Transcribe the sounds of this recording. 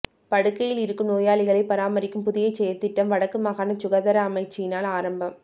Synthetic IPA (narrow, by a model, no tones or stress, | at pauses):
pɐɽɯkːɐjɪlɪɾɯkːɯmnoːjaːɭɪɣɐɭɐɪpɐɾaːmɐɾɪkːɯmpʊðɪjɐɪt͡ʃːɛjːɐt̪ːɪʈːɐmʋɐɽɐkːɯmaːɣaːnɐt͡ʃʊɣɐðɐɾɐːmɐɪt͡ʃːɪjɪnaːlaːɾɐmbɐm